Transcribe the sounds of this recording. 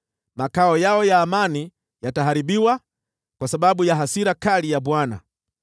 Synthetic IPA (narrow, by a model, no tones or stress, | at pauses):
makaɔjaɔjaːmani | jataɦaɾiɓiwa | kwasaɓaɓujaɦasiɾakalijaɓwana̰